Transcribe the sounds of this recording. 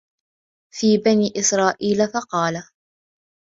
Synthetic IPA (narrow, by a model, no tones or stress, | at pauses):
fiːbaniːʔɪsɾˤɑːʔiːlafɑqɑːla